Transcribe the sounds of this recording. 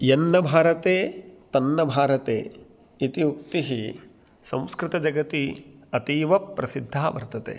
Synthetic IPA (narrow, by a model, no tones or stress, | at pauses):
jenːɐbʱaːɾɐt̪eːt̪ɐnːɐbʱaːɾɐt̪ḛː | it̪iuk̚t̪iɦi | sɐ̃mskɾɪt̪ɐd͡ʒɐɡɐt̪iɐt̪iːʋɐpːɾɐsid̪ʱːaːʋɐɾt̪ɐt̪ḛː